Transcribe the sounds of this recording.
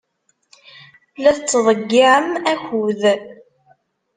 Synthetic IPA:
læθt͡sːðˤəɡːiʕəmæçʷuð

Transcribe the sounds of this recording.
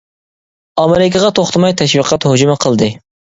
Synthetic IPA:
ɑmeɾɪkʰʲɪʁɑt̪ʰoχt̪ʰɨmɑjt̪ʰɛʃwiqʰɑt̪hod͡ʒmɨqʰəlˠd̪ɨ

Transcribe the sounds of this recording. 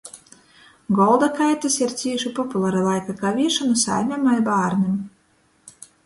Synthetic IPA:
ɡɔlˠd̪akajt̪ɨsiɾt̪sʲiɛʃupɔpulˠaɾalˠajkakavʲiɛʃɔnɨsa̰jmʲamalʲbaːɾnɨm

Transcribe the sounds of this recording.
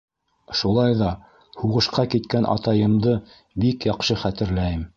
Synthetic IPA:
ʃulˠɑjðɑ | huʁɤ̆ʃqɑkit̪kænʔɑ̰t̪ɑjɤ̆md̪ɤ | bikjɑqʃɤχæt̪ɘ̆ɾlæjɘm

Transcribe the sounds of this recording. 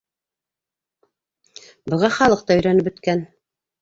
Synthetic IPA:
bɤ̆ʁɑχɑlˠɤq̚t̪ɑɵ̆jɾænɘp̬ɵ̆t̪kæn

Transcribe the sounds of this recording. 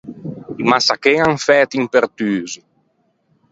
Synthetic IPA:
masakeŋaŋfɛt̪impeɾt̪yːzi

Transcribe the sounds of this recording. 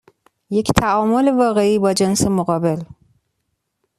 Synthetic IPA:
je̞ct̪ʰæɒːmo̞levɒːɣe̞iːbɒːd͡ʒensemoɣɒːbe̞l

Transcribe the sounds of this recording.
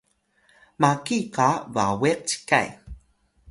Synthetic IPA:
makikava̰weq̚t͡ʃi̥ka̰j

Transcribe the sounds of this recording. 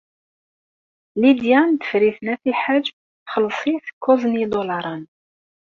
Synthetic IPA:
lid̪jænd̪ə̥fɾiθnæθiħad͡ʒ | θχəlːsˤiθə̥kːoznid̪olɑɾˤɑn

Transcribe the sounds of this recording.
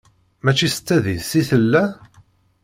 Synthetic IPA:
mæt͡ʃːisə̥t͡sːæðiðsiθəlːæ

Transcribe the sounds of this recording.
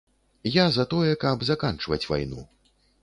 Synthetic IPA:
jazɐt̪ɔjɛkɐbzakant͡ʂvɐ̰t͡sʲva̰jnṵ

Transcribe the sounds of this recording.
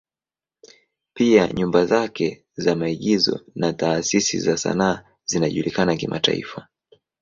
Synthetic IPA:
piaɲumbazakɛ | zamaiɠizɔ̰nataːsisḭzasa̰naː | z̥inaʄulikanakimata̰ḭfa

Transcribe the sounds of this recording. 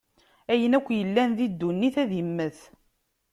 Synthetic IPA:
æjənækʷːjəlːænðid̪ːunːiθæðimːəθ

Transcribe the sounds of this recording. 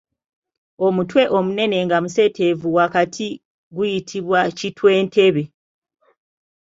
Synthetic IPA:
o̞mutwe̞ʔo̞mune̞ne̞ŋɡamuse̞tʰe̞vuwakatʰi | ɡujitʰiβwacitwe̞ːnte̞βe̞

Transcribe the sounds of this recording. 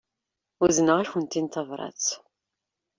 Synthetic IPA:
uznəʁaçənt̪int̪ɑvɾˤɑ̰t͡s

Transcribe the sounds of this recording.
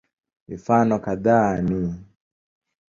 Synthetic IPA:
mifanɔkaðani

